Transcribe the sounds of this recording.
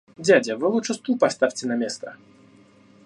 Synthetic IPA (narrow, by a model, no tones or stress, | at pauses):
d͡zʲad͡zʲɐvɨlˠuʂɨst̪upast̪afʲt͡sʲɛnɐmʲest̪ɐ